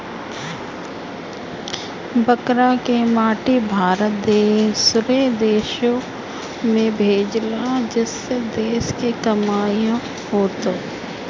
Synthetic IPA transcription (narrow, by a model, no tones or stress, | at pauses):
bəkɾakemaːʈibʱaːɾət̪̚d̪eːsʊɾed̪eːʃõ | mẽbʱeːd͡ʒlad͡ʒɪsːed̪eːʃkekɐmaːjõ | ɦoːt̪oː